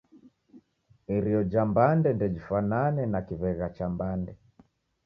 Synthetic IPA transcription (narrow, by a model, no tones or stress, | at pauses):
iɾiɔd͡ʒambandɛndɛd͡ʒifananɛnakiβɛɣat͡ʃambandɛ